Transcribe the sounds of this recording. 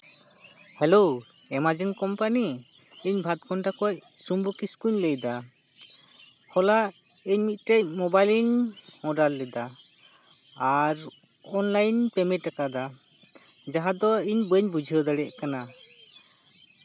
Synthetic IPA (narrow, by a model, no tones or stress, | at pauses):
hɛlow | ɛmad͡ʒɛnkɔmpani | iɲbʱat̪̚kɔnʈakɔcsumbukiskuɲləjd̪a | hɔla | iɲmit̪̚ˀʈecmɔbajliɲmɔɖalːɛd̪a | ɾ | ɔnlajnpɛmɛʈakad̪a | d͡ʒaɦad̪ɔiɲbəɲbud͡ʒʱəd̪əɽɛʔkana